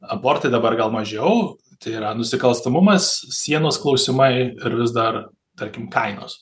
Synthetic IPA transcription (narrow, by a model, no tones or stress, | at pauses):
ɐboːrt̪ɐɪd̪ɐbɐrɡɐlˠmɐʒʲɛʊ | t̪ʲɐɪiɾɐnʊsʲɪkɐlˠst̪ɐmʊmɐssʲiɛnoːsklˠɒʊsʲɪmɐɪɪɾʋʲɪzd̪ɐr | t̪ɐɾʲkʲɪmkɐɪno̰ːs